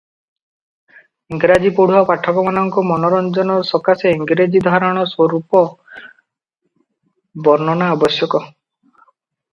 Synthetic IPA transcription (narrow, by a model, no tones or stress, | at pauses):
iŋɡɾad͡ʒipoɽuɦɔpaʈʰɔkɔmanɔŋkɔmɔnɔɾɔnd͡ʒɔnɔsɔkaseiŋɡɾed͡ʒid̪ʱaɾɔɽ̃ɔswɔɾupɔ | bɔɾnɔnaːbɔsjɔkɔ